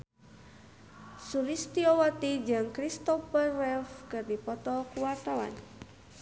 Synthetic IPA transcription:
suɾist̪iowat̪id͡ʒɨŋkɾist̪ɔfərɛfkɨrdipɔt̪ɔkuwart̪awa̰n

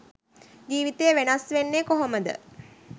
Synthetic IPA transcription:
d͡ʒiːʋit̪ejəʋenasʋenːekoɦoməd̪ə̰

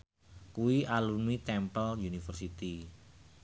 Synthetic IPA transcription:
kuwiʔalunmit̪ɛmpəljunifərsit̪i

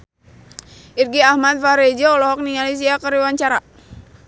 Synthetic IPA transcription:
irɡiahmat̪̚faɾɛd͡ʒɔɔlɔɦɔk̚niŋalis̬iakəɾiwaɲt͡ʃaɾa

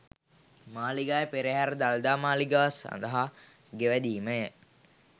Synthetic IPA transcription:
maːliɡaːjəpeɾeɦæɾəd̪ald̪aːmaːliɡasa̰nd̪əɦa | ɡeʋæd̪iːməjə

